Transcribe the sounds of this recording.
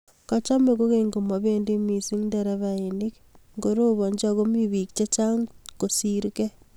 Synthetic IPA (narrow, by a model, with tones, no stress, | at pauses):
kɔ˦t͡ʃa˦me˨ko˦ɣe˦ŋɡo˨mɔ˨βe˦ndi˦mi˨si˦ŋndɛɾɛ˦βaini˦k | ŋɡo˦ɾo˦βɔ˨ɲd͡ʒɔ˦ɣo˦mi˦βi˨k̚t͡ʃe˦t͡ʃa˦ŋko˨si˦ɾkɛ˦